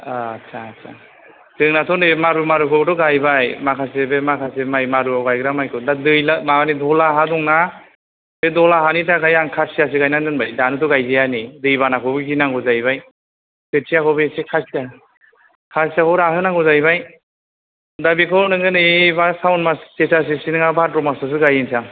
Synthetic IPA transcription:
aːsʰasʰa̰ | dɯŋnatʰɔnɯmaɾumaɾukʰɔbɯtɔɡajbajmakʰasebemakʰasemajmaɾuawɡajɡɯɾamajkʰɔdadɯjlamaanidɔlaɦadɔŋna | dɯdɔlaɦanitakʰajaŋkʰasias̬ɯɡajnanɯnbajdanɯtɔɡajzejanidɯjβanakʰɔbɯɡinaŋɡɔzajbaj | setʰijakɔbesekʰasia | kʰasiakɔɾaɦɯnaŋɡɔzajbaj | dabikʰɔnɯŋɡɯnɯbasawnmassesas̬esinɯŋabatɾɔmasas̬ɯɡajinsa

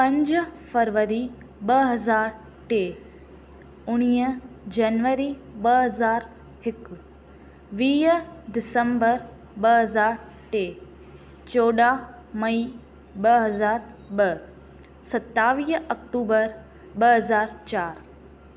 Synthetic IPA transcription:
pɐ̃ɲd͡ʑfɐɾʋəɾi | ɓɐɦɐzaːɾ | ʈeː | ʊɽ̃iːə | d͡ʑɐnʋəɾiɓɐɦɐzaːɾ | ɦɪk | ʋiːɖɪsəmbəɾ | ɓəɦɐzaːɾ | ʈeː | t͡ɕoːɗa | mɐi | ɓəɦɐzaːɾɓə | sɐt̪ːaːʋiːɦɐkʈuːbəɾ | ɓəɦɐzaːɾt͡ɕaːɾ

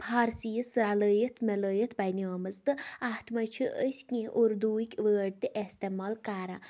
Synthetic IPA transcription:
pʰaːɾsiːəsɾaləːjət̪ʰmɐləːjət̪ʰbɐjnʲoːmɐzt̪ɨaht̪ʰmɐt͡ʃʰiʔəsʲkʲĩʔuɾd̪uːikʲʋəːɖt̪iʔest̪emaːlkaːɾã

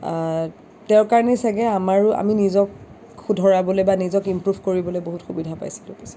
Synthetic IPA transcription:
tɛʊkaɹɔnɛsaɡɛamaɹa̰minizɔk | xudʱɔɹabɔlojbanizɔkimpɹubʱkoɹibɔlojboɦutxubidʱapa̰jsi̥tokisɛ̥

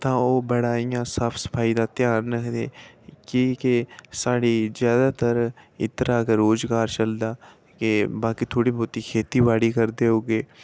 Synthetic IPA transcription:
t̪ãːoːbəɽaːijãːsaːpʰsə̥pʰaːiːd̪aːt̪ɪjaːnːəkʰd̪eː | kiːkesaːɽiːzjaːd̪aːt̪əɾɪ̰t̪ɾaːkəːoːzɡaːɾt͡ʃəld̪aː | kebaːkiːt̪ʰoːɽiːbɔːt̪iːkʰeːt̪iːbaːɽiːkəɾd̪eːɦoːɡeː

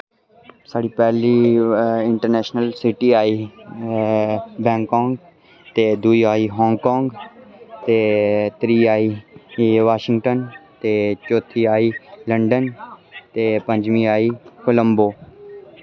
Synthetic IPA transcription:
saːɽiːpɛːliːɪɳʈəɾnɛːʃnəlsɪʈiːaːiː | bɛ̃ːŋkɔ̃ːŋɡ | t̪eːd̪uiːaːiːɦɔ̃ːŋɡkɔ̃ːŋɡt̪eːt̪ɾiːaːiː | ʋaːʃɪ̃ŋɡʈənt̪eːt͡ʃoːt̪ʰiːaːiːləɳɖənt̪eːpə̃ɲd͡ʒmĩːaːiːkʊləmboː

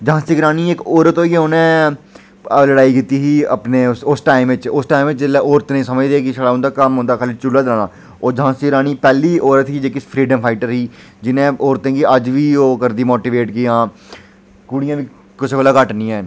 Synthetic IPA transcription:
d͡ʒãːst̪iɡɾaːniːekoːɾət̪ɦoːijeʊnẽː | ləɽaːikɪt̪iːɦiːə̰pneːʊsʊsʈaːɪmʋɪt͡ʃʊsʈaːimʋɪt͡ʃd͡ʒɪlːɛːoːɾət̪nĩːsəməd͡ʒd̪eːkiʃəɽaːʊ̃nd̪aːkəmɦõːnd̪aːkʰaːlit͡ʃʊlaːd̪ɪlaːnaː | ɔːɾd͡ʒɦãːst̪iɡɾaːñiːpɛːliːʔoːɾət̪ɦiːd͡ʒeːkɪspʰɾiːɖəmpʰaːɪʈəɾɦiːd͡ʒɪnẽːoːɾt̪ẽːɡiəd͡ʒʋiːoːkəɾd̪iːmoːʈiːʋeːʈkijãː | kʊɽɪjãːʋiː | kɪsbɛlaːkəʈnĩːa

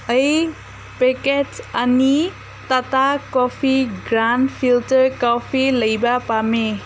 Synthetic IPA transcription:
ʌj | peket͡sani | t̪at̪akɔpʰiɡɾanpʰiltʌɾkɔpʰilʌjbapame

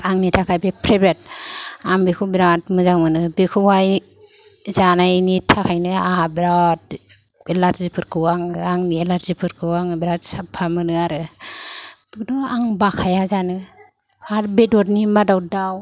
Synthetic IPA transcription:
aŋnitʰakʰajbepʰɾebɾet̚aŋbekʰubiɾatmɯzaŋmɯnɯbekʰuwaj | zanajnitʰakʰajnɯahabiɾawt̚ | elatzipʰɯɾkʰɯwaŋaŋielatzipʰɯɾkʰɯwaŋbiɾatsapʰːamɯnɯaɾɯ | bidɔaŋbakʰajazanɯ | aɾbedɔtnimadawdaw

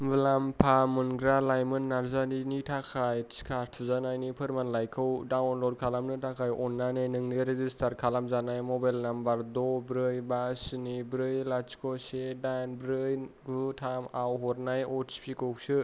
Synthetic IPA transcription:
bɯlampʰamɯnɡɾalajmɯnːaɾzaninitʰakʰajskʰaɾtʰuzanajnipʰɯɾmanlajkʰɯwdawnlɔd̚kʰalamnɯtʰakʰajɔnːanɯjnɯŋniɾezistʰaɾkʰalamzanajmɔbajlnambaɾdɔbɾɯjbasɯnibɾɯjlat͡ʃkʰɔsedanbɾɯjɡutʰamawɦɔɾnajɔtspʰikʰɯsɯ

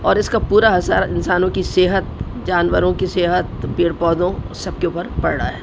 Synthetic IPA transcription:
ɔːɾɪskapuːɾaɦɐsa̰ːɾɪ̰nsaːnõkiseːɦət̪̚ | d͡ʒaːnʋəɾõkiseːɦət̪̚piːɽpɔːd̪õsɐb̚keuːpəɾpɐɽɽa̰ɦɛː

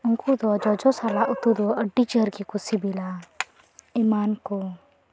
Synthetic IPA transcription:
ʊŋkud̪ɔad͡ʒɔd͡ʒɔsalaʔʊt̪ud̪ɔəɖit͡ʃəɾkikusibila | imaːnkɔ

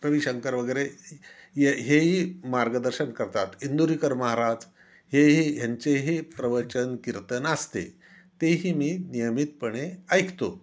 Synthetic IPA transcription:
ɾəʋiɕəŋkəɾʋəɡəjɾe | jeɦeɦiːmaɾɡəd̪əɾɕənkəɾt̪at̪ind̪uɾikəɾməɦaɾad͡z | heɦijaɲt͡seɦipɾəʋəɾt͡ɕənkiɾt̪ənəst̪ḛ | t̪eɦiːmiːnijəmit̪̚pəɳeajkʰt̪o

